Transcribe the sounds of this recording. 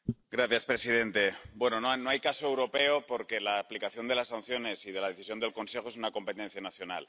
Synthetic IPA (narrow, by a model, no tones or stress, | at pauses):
ɡɾaθjaspɾe̞sið̞e̞nt̪e̞bwe̞nonono̞ajkasoewɾo̞pe̞o̞po̞ɾke̞laːplikaθjo̞nd̪e̞lasan̟θjo̞ne̞sið̞e̞lað̞e̞θisjo̞nd̪e̞lko̞nse̞xo̞esunako̞mpet̪en̟θjanaθjo̞na̰l